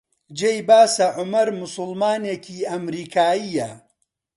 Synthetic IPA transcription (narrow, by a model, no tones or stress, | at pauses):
d͡ʒejbaːsɐʕʊmɐɾmʊsʊlmaːneːkiːɐmɾiːkʰaːijɐ